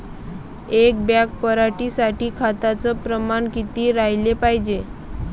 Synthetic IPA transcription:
ek̚bjak̚pəɾaʈiːsaʈiːkʰat̪at͡səpɾəmankit̪iːɾajlepaɦid͡ʑe

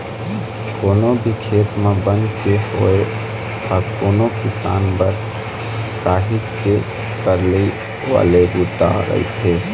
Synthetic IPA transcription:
koːnobʱikʰet̪mebənkeho̰e | akoːnokɪsa̰ːnbəɾ | kaɦit͡ʃke | kəɾle | ʋa̰ːlebud̪a̰ɾə̰ḭt̪ʰe

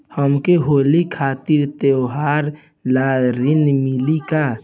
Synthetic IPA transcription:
həmkeɦoːlikʰaːt̪iɾt̪ewɦaːɾ | laːɾɪnmɪlika

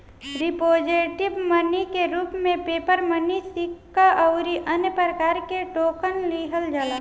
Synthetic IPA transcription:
ɾipoːd͡ʒeʈɪbmənikeɾuːpmẽpeːpəɾmənisikːaʔəʊɾiʔənjəpɾəɾəkaːɾkeʈoːkənliːɦəld͡ʒalaː

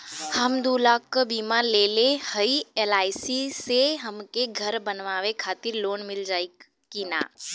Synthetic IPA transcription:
həmd̪uːlaːkːəbiːmaleːlehəielaːɪsiseɦəmkeɡʱəɾbənʋaːʋekʰaːt̪ɪɾloːnmɪld͡ʒaːi | kina̰ː

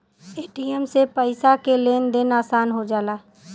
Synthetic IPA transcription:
eːʈiɛmsepəɪsakeleːnd̪ɪnaːsaːnɦod͡ʒaːlaː

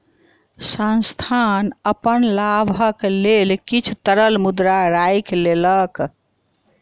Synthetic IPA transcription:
sãnst̪ʰanəpənlabʱəklelkit͡ʃʰut̪əɾəlmud̪ɾaɾajklelək

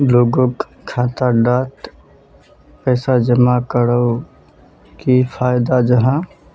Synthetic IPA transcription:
loːɡok | kʰːaːt̪aɖaːt̪ | pɛːsad͡ʒəmakəɾə | kipʰaːjd̪ad͡ʒəɦã

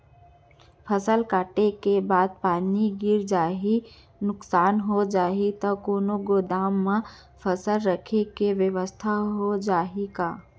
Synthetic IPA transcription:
pʰəsəlkaːʈekebaːd̪̚paːniɡɪɾd͡ʒaːɦi | nʊksaːnɦod͡ʒaːɦit̪əkoːnoɡoːd̪aːmːã | pʰəsəlɾəkʰekeʋjəʋəst̪ʰaɦod͡ʒaːɦikaː

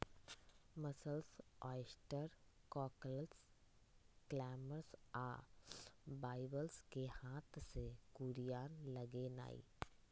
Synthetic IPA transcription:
mɐsəlsɔːɪsʈəɾkɔːkələls | klɛːməɾsaː | baːɪbəlskehaːt̪ʰsekuːɾijaːnlɐɡena̰ːḭː

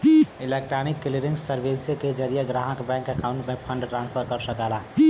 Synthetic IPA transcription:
ilek̚ʈɾanikːiliɾiŋɡsəɾbeseked͡ʒəɾijəɡɾaɦə̃kbɛ̃ŋkəkauɳʈmepʰəɳɖʈɾãnpʰəɾkəɾsəkɛla

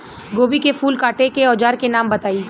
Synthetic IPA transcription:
ɡoːbikefuːlkaːʈekeɔːd͡ʒaːɾkenaːmbɐt̪aːiː

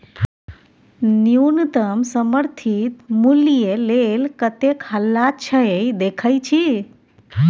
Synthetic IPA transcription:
nijunt̪əmsəməɾt̪ʰit̪mulijelelkət̪ekɦəlːat͡ʃʰəejd̪ekʰəjt͡ʃʰi

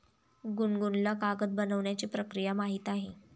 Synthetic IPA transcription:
ɡunɡunlakaɡət̪̚bənəʋɳjat͡ɕiːpɾəkɾijamaɦiːt̪aɦe

